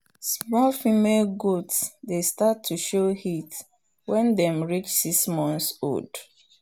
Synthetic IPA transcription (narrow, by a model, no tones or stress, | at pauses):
smɔlfimelɡodsdestatʰːuʃohit | wɛ̃ndɛ̃mɹit͡ʃsiksmɔ̃nθso̰d